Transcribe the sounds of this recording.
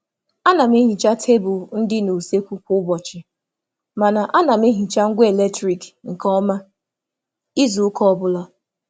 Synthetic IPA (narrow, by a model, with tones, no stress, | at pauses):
a˦na˨m˦i˦ɦi˨t͡ʃa˦tʰe˦bʊ˨n̩˦dɪ˦no˨se˦kʷu˦kʊ˦bɔ˨t͡ʃɪ˨ | ma˨na˨ʔa˦na˨m˦i˦ɦi˨t͡ʃa˦ŋ̩˦ɡʷe˨le˦tɾi˨kŋ̩˨kɔ˦ma˦ | i˦zu˨ʊ˦kɔ˦ɔ˦bʊ˦la˦